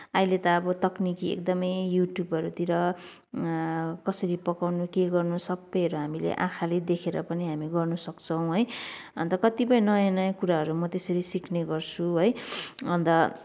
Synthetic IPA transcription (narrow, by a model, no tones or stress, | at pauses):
ailet̪ʌːbʌt̪ʌknikiḛk̚d̪ʌmʌjjuʈjubʌɾut̪iɾʌ | kʌsʌɾipʌkawnukeɡʌrnusʌbːʌjʌɾuɦamilḛʔã̰kʰaled̪ekʰeɾʌpʌniɦamiɡʌrnusʌkt͡sʰʌ̃w̃ɦojʌnt̪ʌkʌt̪ipʌjnʌjanʌjakuɾaɦʌɾumʌt̪esʌɾisikʰneɡʌrt͡sʰuɦojʌnt̪ʌ